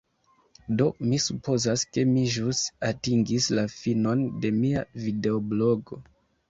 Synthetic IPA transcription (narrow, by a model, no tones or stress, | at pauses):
do̞misupʰo̞zaske̞miʒusatiŋɡislafino̞nde̞mia̰vide̞oblo̞ɡo̞